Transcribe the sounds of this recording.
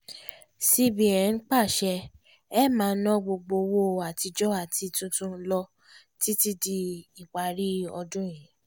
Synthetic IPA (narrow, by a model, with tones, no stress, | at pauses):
si˧bi˨ɛ˨˦n̩˦k͡pa˦˨ʃɛ˧ | ɛ˦mãː˨˦nɔ̃˦ɡ͡bo˧ɡ͡bo˧wo˦a˨ti˧d͡ʒɔ˦a˦˨ti˧tũ˧tũ˧˦lɔ˧ | ti˦ti˦di˧i˨k͡pa˨ɾi˦ɔ˧dũ˦j̃ĩ˨˦